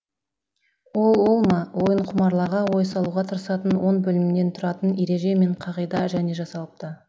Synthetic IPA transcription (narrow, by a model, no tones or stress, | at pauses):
wo̞lˠwo̞lˠmɑwo̞jəɴqʰʊmɑɾlˠɑʁɑwo̞jsɑlˠuʁɑt̪ʰəɾəsɑt̪ənwo̞ɴbɵlɪmɪne̞nt̪ʰʊɾɑt̪əneɾe̞ʒe̞me̞ɴqʰɑʁəjd̪ɑʒæne̞ʒɑsɑlˠəp̚t̪ə